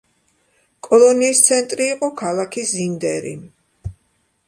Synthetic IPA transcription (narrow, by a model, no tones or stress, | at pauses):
kʼɔlˠɔniːst̪sʰɛnt̪ʼɾiːqʼɔkʰalˠakʰizind̪ɛɾḭ